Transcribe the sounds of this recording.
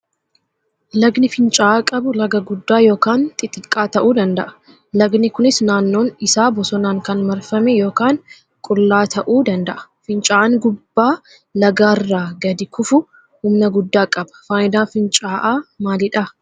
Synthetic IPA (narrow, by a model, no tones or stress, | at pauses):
lɐɡnɪfɪnt͡ʃʼaːʔaːkʼɐbʊlɐɡɐɡʊd̪ːaːjo̞ːkaːnt̪ʼɪt̪ʼɪkʼːaːt̪ɐʔuːd̪ɐnd̪ɐʔɐ̥ | lɐɡnɪkʊnɪsnaːnːo̞ːnɪsaːbɔsɔnaːŋkɐnmɐɾfɐmɛjo̞ːkaːŋ | kʼʊlːaːt̪ʰɐʔuːd̪ɐnd̪ɐʔɐ̥ | fɪnt͡ʃʼaːʔaŋɡʊbːaː | lɐɡaːrːaːɡɐd̪ɪkʰʊfʊ | hʊmnɐɡʊd̪ːaːkʼɐbɐ̥faːjɪd̪aːfɪnt͡ʃʼaːʔaːmaːlɪᶑɐ